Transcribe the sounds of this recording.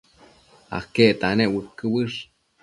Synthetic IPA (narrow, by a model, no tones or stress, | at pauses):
a̰hkeʔt̪aneʔwəkːɨwɨʂ